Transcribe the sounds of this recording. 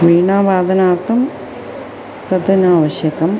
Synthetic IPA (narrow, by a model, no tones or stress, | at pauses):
ʋiːɳaːʋaːd̪ɐnaːrt̪ʰɐm | t̪ɐt̪ɐnaːʋɐɕjɐkɐm